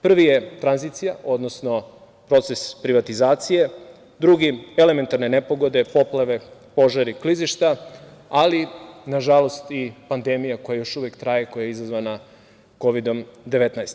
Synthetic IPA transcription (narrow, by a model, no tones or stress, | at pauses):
pr̩ʋije̞t̪ɾanzit̪sijaʔo̞d̪no̞sno̞ | pɾo̞t̪sespɾiʋat̪izaːt̪sije̞ | d̪ɾuɡieleme̞nt̪aɾne̞nepo̞ɡo̞d̪e̞po̞plˠaʋe̞po̞ʒaɾikliziʃt̪aalinaʒalˠo̞st̪ipand̪e̞mijako̞jajo̞ʃuʋjekt̪ɾaje̞ko̞jajeizazʋana | ko̞ʋid̪o̞md̪e̞ʋe̞t̪najst̪